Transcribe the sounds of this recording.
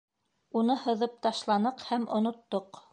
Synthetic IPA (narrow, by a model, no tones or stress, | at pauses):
unɤhɤ̆ðɤp̚t̪ɑʃlˠɑnɤqhæmʔŏnŏt̪ːoq